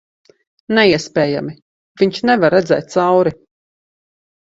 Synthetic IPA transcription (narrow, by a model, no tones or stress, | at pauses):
nɛiɛspʲɛːja̰mi | vʲiɲʃnɛvaɾːɛd̪zɛ̰ːt̪̚t̪sawɾi